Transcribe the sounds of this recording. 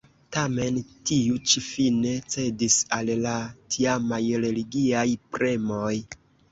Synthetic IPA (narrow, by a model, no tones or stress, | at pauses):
tame̞ntiut͡ʃifine̞t͡se̞disallatʰiamajɾe̞liɡiajpɾe̞mo̞j